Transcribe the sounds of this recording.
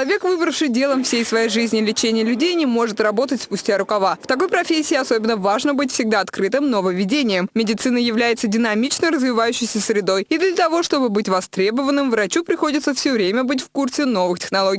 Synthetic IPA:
ɐvʲe̞kvɨbɾəfʂɨjdʲe̞lˠəmfsʲejsvɐjejʐɨzʲnʲɪlʲɪt͡ɕenʲɪjəlʲʉdʲejnʲɪmo̞ʐɨt̪rɐbo̞t̪ətʲspʊsʲtʲaɾʊkɐvaft̪ɐko̞jpɾɐfʲesʲɪːɐsobʲɪnːəvaʐnəbɨtʲfsʲɪɡd̪aɐt̪kɾɨt̪ɨmnovəvʲɪdʲenʲɪjəmmʲɪdʲɪt̪sɨnəjɪvlʲæjɪt̪sədʲɪnɐmʲit͡ɕnəjrəzvʲɪvajʉɕːɪjsʲəsɾʲɪd̪o̞jid̪lʲət̪ɐvo̞ʂt̪o̞bɨbɨtʲvɐst̪ɾʲe̞bəvənːɨmvɾɐt͡ɕupɾʲɪxo̞dʲɪt̪səfsʲovɾʲemʲəbɨt̬ʲfkursʲɪno̞vɨxtʲɪ̥xnɐlˠo̞ɡʲ

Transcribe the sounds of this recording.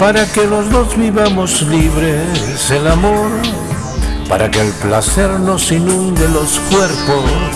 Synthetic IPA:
paɾake̞lo̞zðo̞zβiβamo̞zliβɾe | se̞lamo̞ɾ | pa̰ɾake̞ːlplase̞ɾno̞sinũnd̪elo̞skweɾpo̞s

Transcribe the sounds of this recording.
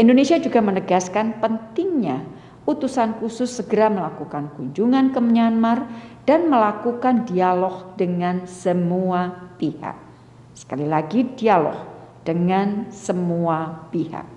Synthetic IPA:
ʔindonesiad͡ʒuɡamənəɡaskanpənt̪ɪŋɲa | ʔut̪usankusʊsːəɡəɾaməlakukankuɲd͡ʒuŋankəməɲanmard̥anməlakukandialɔhdəŋansəmuapiha̰k̚ | sə̥kalilaɡidialɔ̰h | d̥əŋansəmuapiha̰k̚

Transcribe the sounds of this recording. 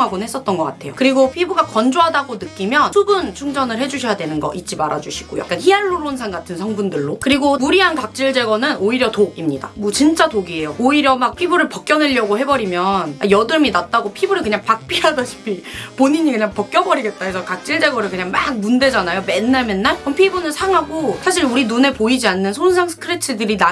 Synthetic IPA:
oŋɦaɡonɦe̞s͈ʌt̚t͈ʌnɡʌk͈atʰe̞jo̰kɯɾiɡopʰibuɡakʌnd͡ʑoɦadaɡonɯk͈imjʌnsʰubɯnt͡ɕʰuŋd͡ʑʌnɯɭhe̞d͡ʑuɕʰʌjadwe̞nɯnɡʌ̰ʔit͡ɕ͈imaɾad͡ʑuɕʰi̥ɡ̥o̰ja̰k͈ançiaɭːoɾonsʰaŋɡatʰɯnsʰʌŋbundɯɭːokɯɾiɡomuɾiɦankak̚t͡ɕ͈iɭd͡ʑe̞ɡʌnɯnoiɾjʌtoɡimɲida̰mʌt͡ɕint͡ɕ͈atoɡie̞jooiɾjʌmak̚pʰibuɾɯɭpʌk͈̚jʌneʎːʌɡoɦe̞bʌɾimjʌnajʌdɯminat̚t͈aɡopʰibuɾɯɭkɯɲaŋpak̚p͈iɦadaɕʰi̥pʰipoɲiɲikɯɲaŋpʌk͈̚jʌbʌɾiɡe̞t̚t͈aesʰʌkak̚t͡ɕ͈iɭd͡ʑe̞ɡwʌɾɯɭkɯɲaŋmaɡ̚munde̞d͡ʑanajome̞nːaɭme̞nːaɭʌmpʰibunɯnsʰaŋɦaɡosʰaɕʰiɾuɾinune̞poid͡ʑianːɯnsʰons̬ʰaŋsʰɯ̥kʰɯɾet͡ɕʰɯdɯɾina

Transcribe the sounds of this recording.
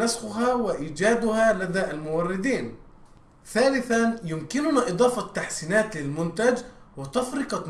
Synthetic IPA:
asxʊɦaːwɪʔiːd͡ʒaːd̪ʊhaːlad̪aːʔalmʊwɑrˤːɪd̪iːn | θaːlɪθanjʊmkɪnʊnaːʔɨd̪ˤɑːfɑt̪ːaħsiːnaːt̪lɪlmʊnt̪ad͡ʒwɪt̪ɑfɾɪqɑ

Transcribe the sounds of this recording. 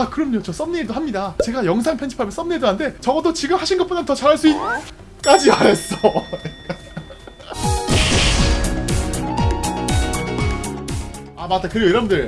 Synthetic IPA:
akɯɾʌmɲot͡ɕʰos͈ʌmɲidoɦamɲidat͡ɕe̞ɡajʌŋsʰaŋpʰent͡ɕʰi̥pʰamjʌns͈ʌmnːɲiiɭdoɦande̞t͡ɕʌɡʌdot͡ɕiɡɯmhaɕʰinɡʌtp͈onantʌt͡ɕaɾɦaɭs͈uit | k͈ad͡ʑiaɾes͈ʌ | amat͈akɯɾiɡoiɾʌmndɯɭ

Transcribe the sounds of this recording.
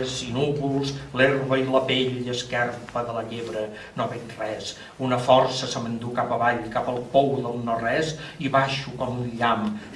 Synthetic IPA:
zinuβulˠslerβəiləpeʎəskɛrpəðələʎeβɾə | noβenrɛs | unəfɔrsəsəmənd̪ukapəβaʎkapəlˠpɔwðəlˠnorɛsiβaʃukɔmunʎam

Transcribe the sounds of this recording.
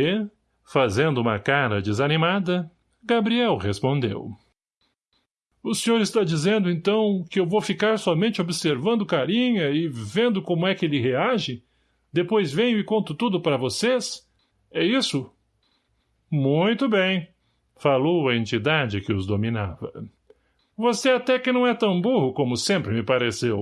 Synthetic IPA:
e | fazẽnd̪ʊũmɐkaɾɐd͡ʒɪzanimad̪ɐ | ɡabɾiɛwhespõnd̪ḛw | ʊsẽɲoɾɪst̪ad͡ʒizẽnd̪ʊẽnt̪ɐ̃w̃kɪewvowfikaɾsɔmẽnt͡ʃɪobɪseɾvɐ̃nd̪ʊkaɾĩɲɐɪvẽnd̪ʊkõmʊɛkɪelɪɦeaʒɪ | d̪epojzvẽjʊɪkõnt̪ʊt̪ud̪ʊpaɾɐvoses | ɛisʊ | mũj̃t̪ʊbẽj̃ | falowɐẽnt͡ʃid̪ad͡ʒɪkɪʊzd̪omĩnavɐ̰ | voseat̪ɛkɪnɐ̃w̃ɛt̪ɐ̃w̃buhʊkõmʊsẽmpɾɪmɪpaɾesew

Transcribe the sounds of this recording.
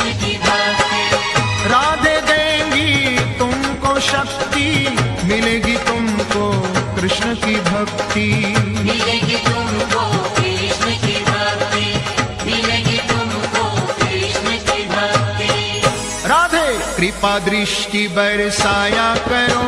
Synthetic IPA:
kibʱɐk̚t̪iɾaːd̪ʱed̪ẽːɡit̪ʊmkoʃɐk̚t̪imɪleːɡit̪ʊmkokɾɪʃɳəkibʱɐk̚t̪imleɡit̪ʊmkokɾɪʃnəkibʱɐk̚t̪i | mɪleɡit̪ʊmkokɾɪʃɳəkibʱɐk̚t̪i | ɾaːd̪ʱekɾipad̪ɾɪʃʈibɐɾsaːjakɐɾo

